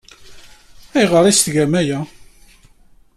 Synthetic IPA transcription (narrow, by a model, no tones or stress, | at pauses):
æjʁəɾˤist̪ɡæmæjæ